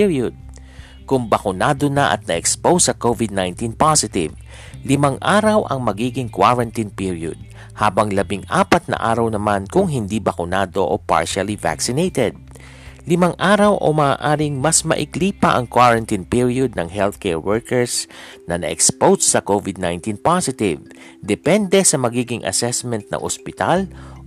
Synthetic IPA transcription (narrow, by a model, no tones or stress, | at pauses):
ɹjod̪̚ | kʊŋbɐkʊnaːd̪onɐʔɐ̰t̪̚nɐʔɛkspowsɐkovɪd̪̚najnt̪inpasɪt̪ɪ̰v | lɪmaŋʔaːɾɐwʔɐ̰ŋmɐɡiːɡɪŋkwaɹɐnt̪inpiɹjo̰d̪̚ | haːbɐŋlɐbɪŋʔaːpɐt̪̚nɐ̰ʔa̰ːɾɐwnɐmankʊŋɦɪnd̪ibɐkʊnaːd̪o̞ʔopa̰ɹʃɐliva̰ksɪnejt̪ɛd̪̚ | lɪmaŋʔaːɾɐwʔo̰mɐaːʔaːɾɪŋmɐsmɐ̰ʔɪkliːpɐʔɐŋkwaɹɐnt̪inpiɹijod̪̚nɐŋɦɛlθkɛɹwɛɹkɛɹsnɐnɐ̰ʔɛ̰kspowsːɐkovɪd̪̚najnt̪inpasɪt̪ɪv | d̪ɛpɛnd̪ɛsɐmɐɡiːɡɪŋʔɐ̰sɛsmɛnt̪̚nɐ̰ŋʔospɪt̪al